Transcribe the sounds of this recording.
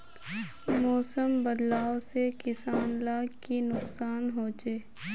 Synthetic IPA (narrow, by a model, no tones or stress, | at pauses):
mɔːsəmbəd̪laːosekɪsaːnlaːɡkinʊksaːnɦoːd͡ʒeː